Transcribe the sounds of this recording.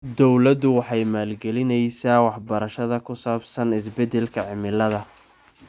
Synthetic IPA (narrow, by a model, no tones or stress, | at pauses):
d̪ɔwlɐd̪ʊwɑħɑjmaːlɡɛlɪnɛjsaːwɑħbɐɾɐʃɐðɐkʰʊsaːbsɐnɪs̬bɛd̪ɛlkʰɐʕɪmɪlɐðɐ